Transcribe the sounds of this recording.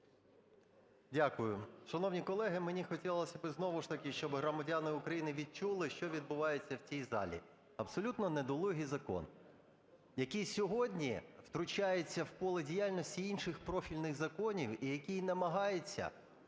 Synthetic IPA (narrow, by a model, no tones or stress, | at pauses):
dʲakʊjʊʃɐnɔwnʲikɔlˠɛɦɪmenʲixɔtʲilˠlˠɐsʲɐbɪznɔʋʊʃt̪ɐkɪʃt͡ʃɔbɦɾɔmɐdʲanɪʊkɾɐjinɪʋʲid̪̚t͡ʃulˠɪʃt͡ʃɔʋʲid̪̚bʊʋɑjet͡sʲːɐwt͡sʲijzɑ̰lʲḭ | ɐbsɔlʲut̪nɔnɛd̪ɔlˠɔɦʲizɐkɔ̰n | jɐkʲisʲɔɦɔdʲnʲiw̥t̪ɾʊt͡ʃajet͡sʲːɐwpɔlˠɪdʲijalʲnɔsʲtʲiinʃɪxpɾɔfʲilʲnɪɣzɐkɔnʲiwijɐkʲijnɐmɐɦɑjet͡sʲːɐ̰